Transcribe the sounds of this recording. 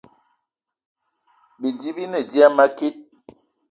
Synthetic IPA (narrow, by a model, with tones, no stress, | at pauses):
bi˨d͡ʒi˦bi˦nə˨di˦a˦ma˦ki˦t̚